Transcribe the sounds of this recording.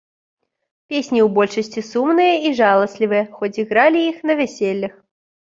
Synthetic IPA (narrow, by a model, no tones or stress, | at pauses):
pʲesʲnʲiubɔlʲʂəsʲtʲisumnɨjəiʐɑlˠəsʲlʲivɨəxot͡sʲiɣɾalʲiixnɐvʲɛsʲelʲːəx